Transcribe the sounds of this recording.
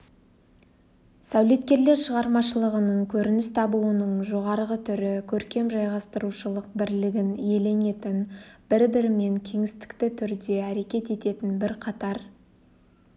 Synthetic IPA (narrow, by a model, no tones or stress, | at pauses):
sæwle̞t̪̚kʲe̞ɾle̞ɾʃəʁɑɾmɑʃəlˠəʁənəɴkʲʰɵɾɪnɪst̪ʰɑbuənəɴʒo̞ʁɑɾʁət̪ʰʏɾɪkʲʰɵɾkʲe̞mʒɑjʁɑst̪əɾuʃəlˠəq̚bɪɾlɪɡʲɪnje̞le̞ne̞t̪ɪnbɪɾbɪɾɪme̞ŋkʲʰe̞ŋɪst̪ɪ̥kt̪ɪt̪ʰʏɾd̪e̞æɾe̞kʲe̞t̪e̞t̪e̞t̪ɪnbɪɾqʰɑt̪ɑɾ